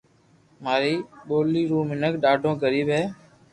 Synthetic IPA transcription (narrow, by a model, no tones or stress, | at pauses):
maːɾiːɓoːliːɾuːmɪnəkɗaːɖʱõːɡəɾiːbɦeː